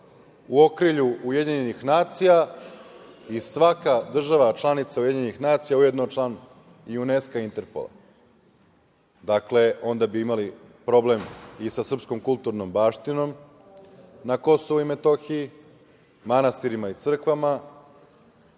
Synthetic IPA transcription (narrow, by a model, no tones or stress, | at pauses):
uo̞kɾiʎuujed̪ʲeɲenixnaːt̪sija | isʋakad̪r̩ʒaʋat͡ʃlˠanit̪saujeiɲenixnaːt̪sijaujed̪not͡ʃlˠan | iune̞skaint̪e̞ɾpo̰lˠa̰ | d̪akle̞o̞nd̪abiimali | pɾo̞ble̞misasr̩psko̞mkulˠt̪uɾno̞mbaːʃt̪ino̞m | nako̞soʋuime̞t̪o̞xiji | manast̪iɾimait̪sr̩kʋama